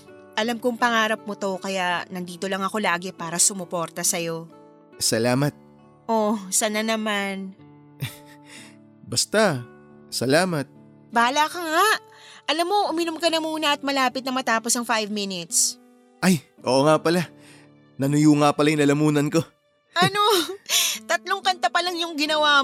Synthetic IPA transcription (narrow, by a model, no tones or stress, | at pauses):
ʔɐlamkʊŋpɐŋaːɾɐp̚mot̪o̞kɐjaʔnɐnd̪iːt̪o̞lɐŋɐko̞laːɡɛpaːɾɐsʊmʊpo̞ɾt̪ɐsɐjo̞ | sɐlaːmɐt̪̚ | ʔosɐnanɐman | bɐst̪a | sɐlaːmɐt̪̚ | baːlakɐŋaʔ | ɐlamːo̞ʔʊmɪnomkɐnɐmuːnɐʔɐt̪̚mɐlaːpɪt̪̚nɐmɐt̪aːposɐŋfajvmɪnɪt̪s | ʔajʔo̰ːʔoŋapɐla | nɐnʊjuːŋapɐlajnɐlɐmuːnɐnko̞ | ʔɐno | t̪ɐt̪̚loŋkɐnt̪ɐpɐlɐŋjʊŋɡɪnɐwaː